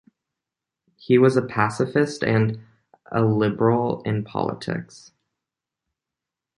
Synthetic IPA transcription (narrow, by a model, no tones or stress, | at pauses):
hiwʌzəpʰæsɨfɨstɨ̃n | ə̰lɪbə˞l̩ˠɪ̃npʰɑ̰lˠə̰tʰɪ̰ks